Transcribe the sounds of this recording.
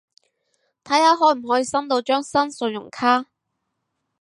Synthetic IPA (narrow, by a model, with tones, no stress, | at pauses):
t̪ʰɐ˨˥jhaː˨˧ɦɔː˨˥m̩˨˩ɦɔː˨˥jiː˧sɐ˥mt̪o˧wt͡ʃœː˥ŋsɐ˥nsɵ˧njʊ˨˩ŋkʰaː˥